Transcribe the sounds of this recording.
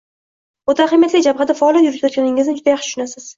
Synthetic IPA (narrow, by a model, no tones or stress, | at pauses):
ot̪aχamjat̪lʲad͡ʒabhad̪afaːlˠjat̪̬ʲjʊɾɪp̪jɔt̪kʲanɪŋɪznɪd͡ʒʊd̪ajaχʃɪ̥ʃʊnasɪz̥